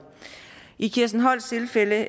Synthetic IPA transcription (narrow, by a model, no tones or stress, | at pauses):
ʔikʰiɐsn̩ɦɒ̽l̰st͡sʰe̝lfelə